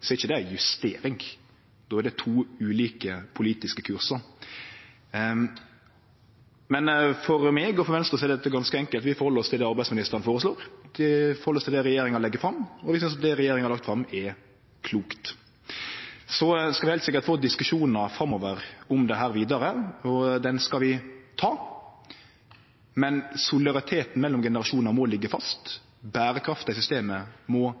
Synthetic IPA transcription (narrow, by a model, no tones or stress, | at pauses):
sɔɪçːəd̪ɛæjʉst̪eːɾɪŋ | d̪oːæd̪ɛt̪ʰuːʉːliːkəpʰʊliːt̪ɪskəkʰʉɾsəɾ | mɛnfɔɾmeːɡɔfɔɾʋɛnst̪ɾəsɔɛɾd̪ɛt̪ːəɡɑnskəɛŋkəlt̪ʋɪfɔɾhɔlːəɾɔst̪ʰɪld̪ɛːɑɾbæɪdsmɪnɪst̪əɾənfoːɾəsloːɾd̪ɪfɔɾhɔlːəɔst̪ʰɪlɛːɾɛjeːɾɪŋɑɔlɛɡːəfɾɑmːɔʋɪsʏnsɑt̪̚d̪ɛɾɛjeːɾɪŋɑɾlɑkt̪fɾɑmːɛ | kʰluːkt̪ | sɔskɑlʋɪhæɪt̪sɪkːəɾt̪foːd̪ɪskʉʂuːnəfɾɑmɔʋəɾɔmd̪ɛɦæːɾʋiːd̪ɑɾəɔd̪ɛnskɑʋɪt̪ʰɑː | mɛnsʊlɪd̪ɑʁɪt̪ʰeːt̪n̩mɛlːɔmɡɛnəɾɑʂuːnəɾmɔlɪɡːəfɑst̪ | bæːɾəkʰɾɑft̪ɑɪs̬ʏst̪eːməmɔ